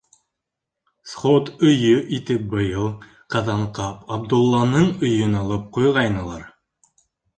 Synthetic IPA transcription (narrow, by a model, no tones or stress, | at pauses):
sχot̪ɵ̆jɵʔit̪ɘp̚bɤ̆jɤlˠ | qɑðɑɴqɑpɑb̚d̪ulˠːɑnɤɴɵ̆jɵnɑlˠɤp̚qujʁɑjnɤ̆lˠɑɾ